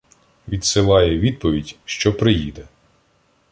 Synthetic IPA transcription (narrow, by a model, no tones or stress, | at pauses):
ʋʲid̪sɪlˠɑjɛʋʲid̪̚pɔʋʲidʲʃt͡ʃɔpɾɪjid̪ɛ